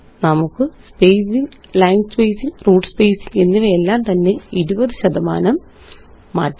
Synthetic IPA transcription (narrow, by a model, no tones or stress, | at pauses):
nɐmukːɨspejsiŋlɐjnɡspejsinruːɖɨspejsine̞nːiʋeelːaːmt̪ɐnːe̞iɾubɐðɨɕɐðɐma̰ːnɐmː | a̰ːtː